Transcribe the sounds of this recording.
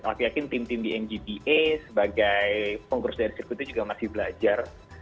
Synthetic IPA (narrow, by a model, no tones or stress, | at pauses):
a̰kijakɪnt̪ɪmt̪ɪmdiɛnd͡ʒibiʔesəbaɡajkɔŋkursdaɾisirkut̪ud͡ʒuɡamasɪhbəlad͡ʒar